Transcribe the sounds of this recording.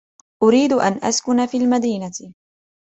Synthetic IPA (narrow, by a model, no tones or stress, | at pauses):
ʔʊɾiːd̪ʔa̰nʔa̰skʊnafiːlmad̪iːna